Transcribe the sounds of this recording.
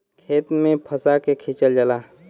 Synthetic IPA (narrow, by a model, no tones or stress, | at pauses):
kʰeːt̪mẽpʰəsakekʰit͡ʃəld͡ʒəlaː